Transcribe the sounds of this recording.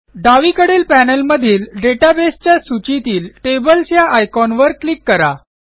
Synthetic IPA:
ɖaʋikəɽeːlpænəlməd̪ʱiːlɖeʈabest͡ɕjasut͡ɕit̪iːlʈebəlsjaʔajkɔnʋəɾklikːəɾa̰

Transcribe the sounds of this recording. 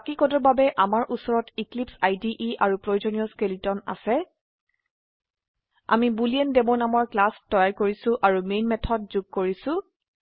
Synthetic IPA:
akikɔdɔɹbabɛʔamaɹʔusɔɹɔtiklipsajdiʔia̰ɹupɹojzɔniɔskelitɔna̰sɛ | a̰mibuliɛndɛmonamɔɹklastɔjaɹkoɹisʊ̃ʔaɹumejnmɛtʰɔt̚zuɡ̚koɹisʊ̃

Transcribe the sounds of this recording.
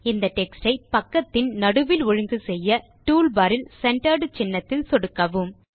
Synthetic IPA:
ɪnd̪ɐʈɛksʈɐɪpɐkːɐt̪ːɪnnɐɽɯʋɪlɔɻɯŋɡɯsɛjːɐ | ʈuːlbɐːɾɪlsɛɳʈɐɾɖt͡ʃɪnːɐt̪ːɪlsɔɽɯkːɐʋɯm

